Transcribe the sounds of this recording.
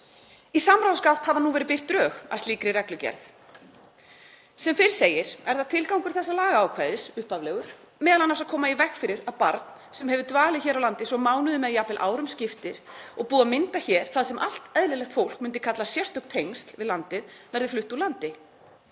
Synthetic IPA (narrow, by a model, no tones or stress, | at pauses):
isamɾawðskaw̥t̪havðanuvɛːɾɪpɪr̥t̪ɾœːɣa̰st̪iːkɾɪɾɛklʏcɛ̰ɾθ | sɛmfɪɾɪ̥seːjɪɾ̥ɛɾ̥θaðt̪ʰɪlkawŋkʏɾ̥θɛsːalaːɣaaːwkʰvaːjðɪsʏhpavlɛɣʏɾ̥ | mɛːðalanːasaðkʰɔːmaivɛxfɪɾɪɾaðpa̰ɾt̪n̥ | sɛmhɛvʏt̪vaːlɪçɛːɾawlant̪ɪsɔmaːwnʏðʏmɛðjapɪlʔa̰ːwɾʏmscɪft̪ɪɾ̥ɔɣpuːðamɪnt̪açɛːɾ̥θaðsɛmʔal̥t̪ɛðlɪlɛxt̪fowl̥k̚mʏnt̪ɪ̥kʰat̪lasjɛr̥t̪ʏhkt̪ʰejŋst̪l̥vɪðlant̪ɪðvɛɾðɪflʏht̪ulant̪ɪ